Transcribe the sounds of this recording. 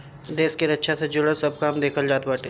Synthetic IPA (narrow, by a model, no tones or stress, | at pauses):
d̪eːskeɾɐtːʃʰasʰed͡ʒʊɽəsɐb̚kaːmd̪eːkʰəld͡ʒaːt̪̚bəːʈe